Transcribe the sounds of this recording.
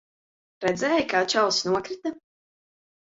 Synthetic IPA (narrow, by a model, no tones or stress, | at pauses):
ɾɛd̪zɛːjkaːt͡ʃawsnuɔkɾit̪a